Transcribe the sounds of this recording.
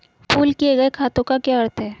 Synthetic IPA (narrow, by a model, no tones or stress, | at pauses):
fuːlkieɡɐekʰaːt̪õkakjaɐɾt̪ʰɦɛː